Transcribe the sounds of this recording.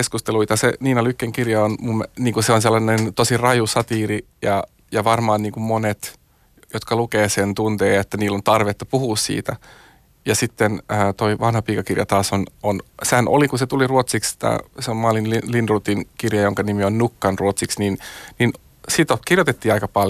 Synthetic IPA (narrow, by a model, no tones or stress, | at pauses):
eskust̪eluit̪ɑsḛniːnolykːeŋkirjɑonmumːniːŋkuseonselːɑnent̪osirɑjusɑt̪iːri | jɑ | jɑʋɑrmɑːnniːŋkummonet̪ | jot̪kɑlukeːsent̪unt̪eːet̪ːæniːlːont̪ɑrʋet̪ːɑpuhuːssḭːt̪æ | jɑsit̪ːenəːt̪oiʋɑnhɑpiːkɑkirjɑ̰t̪ɑːsononsehænʔo̰likuset̪uliruot̪siksi̥t̪æ̰seommɑːlinlilindrut̪inkirjɑjoŋkɑnimionnukːɑnruot̪siksninnin | sit̪okirjot̪et̪ːiːɑikɑpɑl